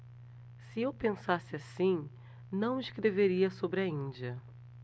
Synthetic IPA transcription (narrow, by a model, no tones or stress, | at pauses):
sɪewpẽsasɪasĩ | nɐ̃w̃ɪʃkɾeveɾiɐsobɾɐĩd͡ʒiɐ